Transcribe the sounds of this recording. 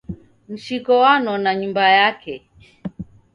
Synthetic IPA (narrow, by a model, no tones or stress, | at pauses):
m̩ʃikɔwanɔnaɲumbajakɛ